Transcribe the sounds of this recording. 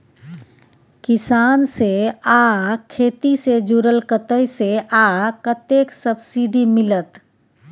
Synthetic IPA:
kisanseakʰet̪ised͡ʒuɾəlkət̪əjseakət̪eksəbsiɖimilət̪

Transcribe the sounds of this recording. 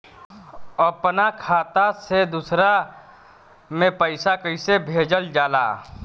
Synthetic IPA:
əpnakʰaːt̪ased̪usɾa | mẽpəɪsakəɪsebʱeːd͡ʒəld͡ʒaːla̰ː

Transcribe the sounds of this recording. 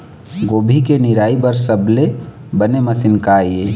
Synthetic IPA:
ɡoːbʱikeniɾaːibəɾsəble | bəneməsɪnkaje

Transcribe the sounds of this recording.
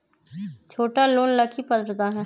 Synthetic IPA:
t͡ʃʰoːʈaloːnləkʰipəd̪ɾd̪aːɦɛ̃ː

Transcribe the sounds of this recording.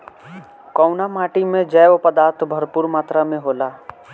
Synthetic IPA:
kɔʊnamaːʈimẽd͡ʒɛːopəd̪aːɾt̪ʰbʱəɾpuːɾmaːt̪ɾamẽɦoːlaː

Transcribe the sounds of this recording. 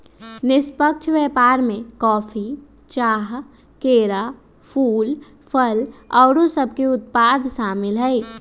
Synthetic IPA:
nɪspəkt͡ʃʰʋɛːpaːɾmẽkɔːfʰi | t͡ʃaːɦ | keːɾaː | pʰuːl | pʰəlɔːɽõsəb̚ʱkeʊt̪̚paːd̪ʱʃaːmɪlɦɛi

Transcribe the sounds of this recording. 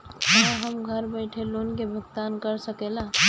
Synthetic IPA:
ɦãɦəmɡʱəɾbɛɪʈʰeloːnkebʱək̚t̪aːnkəɾsəkeːlaː

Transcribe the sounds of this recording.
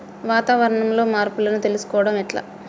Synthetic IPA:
ʋaːt̪aːʋɐɾɐɳɐmlo̞ːmaːɾpulɐnut̪e̞lusu̥kɔːʋɐɽɐmɛʈla̰ː

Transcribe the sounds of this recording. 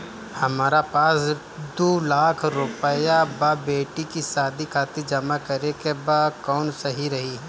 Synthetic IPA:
hɐmaːɾapaːs | d̪oːlaːkʰɾʊpəjabaːbeːʈikisaːd̪ʱikʰaːt̪ed͡ʒɐmakɐɾekebaːdkɔːnsɐɦiɾɐɦiɦɛ

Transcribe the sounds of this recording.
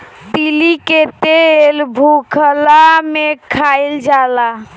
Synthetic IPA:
tiliket̪elbʱukʰəlamekʰajld͡ʒala

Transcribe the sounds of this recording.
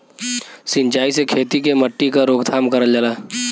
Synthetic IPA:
sɪ̃ɲt͡ʃaːisekʰeːt̪ikeməʈːikaɾoːɡd̪ʱaːmkəɾəld͡ʒalaː

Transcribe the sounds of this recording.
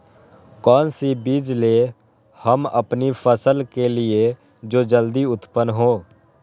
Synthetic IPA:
kɔːnsibiːd͡ʒle | həmə̰pnipʰəsəlkelie | d͡ʒoːd͡ʒəld̪iʊt̪pənɦoː

